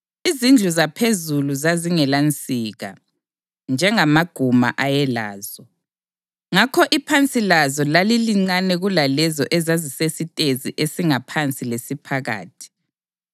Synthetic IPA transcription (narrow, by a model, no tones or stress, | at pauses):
izind͡ɮʱuzapʰezuluzaziŋɛlant͡sʼiːɣa̰ | nd͡ʒʱɛŋamaɡ̥ʱuma̰ʔajɛla̰ːz̥ɔ | ŋakʰɔʔipʰant͡sʼilazɔlaliliŋ͡ǀanɛɣulalɛzɔʔɛzazisesitʼeziʔesiŋapʰant͡sʼilesipʰaɣa̰ːtʰi̥